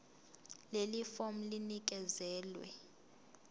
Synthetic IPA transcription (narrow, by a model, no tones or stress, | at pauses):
lelifom̩linik̬ʼɛzɛːlwɛ̰